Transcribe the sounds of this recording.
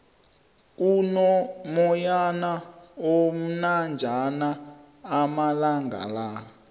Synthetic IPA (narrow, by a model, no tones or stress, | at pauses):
k̬ʼunɔmɔjanaom̩nand͡ʒʱanaː | malaŋɡʱa̰la